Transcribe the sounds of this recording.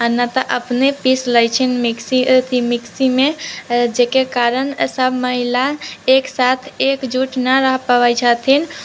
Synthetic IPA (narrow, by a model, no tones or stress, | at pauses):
ənət̪əʔəpnepisləjt͡ʃʰinmiksit̪ʰimɪksimẽd͡ʒekekaːɾənsəbʱməɦilaeksaːt̪ʰeːkd͡ʒuʈnəɾəɦpəʋəjt͡ʃʰat̪ʰin